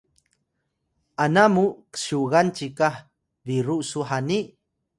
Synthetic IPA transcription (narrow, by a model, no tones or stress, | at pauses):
ʔanamukə̥ʃuɣant͡ʃikah | viɾuʔsuħaniʔ